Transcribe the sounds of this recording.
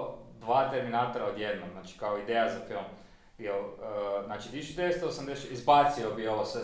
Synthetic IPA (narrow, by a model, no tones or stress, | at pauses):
d̪ʋaːt̪e̞ɾminaːt̪oɾaod̪jed̪nomnaːt͡ʃi̥kaoid̪eːjazafilˠm | jelznaːt͡ʃid̪iʃud̪eest̪osamd̪esizbaːt̪siobioʋosʋe